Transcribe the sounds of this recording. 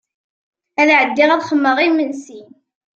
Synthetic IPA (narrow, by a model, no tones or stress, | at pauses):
æðʕəd̪ːɪʁæðχəmːəʁimənsin